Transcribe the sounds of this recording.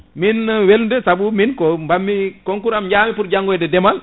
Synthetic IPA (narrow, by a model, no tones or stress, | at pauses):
minwelndɛsabuminkɔmbamːikɔŋkuɾamɲd͡ʒaːmifuɾd͡ʒaŋɡɔjdɛdɛmal